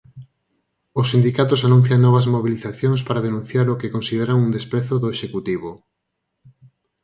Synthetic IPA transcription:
osːind̪ikat̪ʊsanũn̟θjaŋnɔβ̞ɐzmoβiliθaθjoŋspaɾaðenũn̟θjaɾokɪkõnsiðeɾaŋund̪espɾeθoðoeʃekut̪iβ̞o

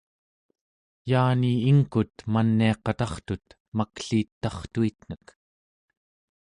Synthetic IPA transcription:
jaːniiŋkut̪manːiɑqɑt̪ɑχt̪ut̪ | makɬiːt̪ːɑχt̪uit̪n̥ək

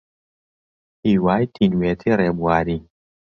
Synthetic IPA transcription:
hiwajt̪ʰinwɛt̪ʰiɾɛbuadi

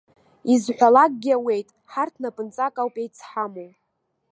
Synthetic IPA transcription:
izħʷᶣalak̚ʼɡʲawe̞jtʼ | ħartʰnapʰʼɨnt͡sʼakʼawpʼejt͡sʰħamowʼ

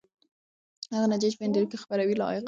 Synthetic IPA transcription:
haɣanad͡ʒɑt͡ʃpəɪnd̪aɾukexpaɾawila̰jq

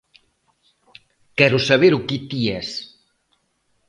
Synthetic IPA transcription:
kɛɾʊsɐβeɾukit̪ies

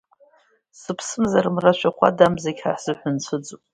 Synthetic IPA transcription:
sɨpʰsɨmzaɾɨmraʃʷᶣaχʷa̰damzaɡʲħa̰ħz̥ɨħʷʊnt͡ɕʷʰɨd͡zupʼ

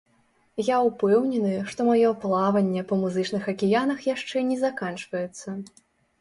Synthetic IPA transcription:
jaupɛwnʲɛnɨʂt̪ɔmajɔplˠavɐnʲːɛpɐmuzɨt͡ʂnɨxɐkʲijanɐxjaʂt͡ʂɛnʲɛzakant͡ʂvɐjɛt̪sːɐ

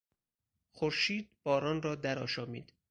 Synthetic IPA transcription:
xoɾʃiːd̪̚bɒːɾɒːnrɒːd̪æɾɒːʃɒːmḭːd̪̥

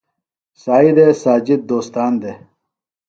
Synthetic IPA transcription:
saːid̪esaːd͡ʑid̪̚d̪oːst̪aːnd̪e

